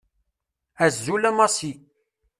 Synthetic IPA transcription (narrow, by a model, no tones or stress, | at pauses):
æzːulæmɑsi